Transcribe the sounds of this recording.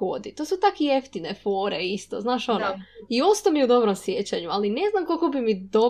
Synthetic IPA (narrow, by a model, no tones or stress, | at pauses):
od̪it̪oːsut̪akieft̪inefoːɾḛist̪o̰znaːʃo̞noio̞st̪omiud̪o̞bɾomsjet͡ɕaɲualine̞znamkokobimid̪o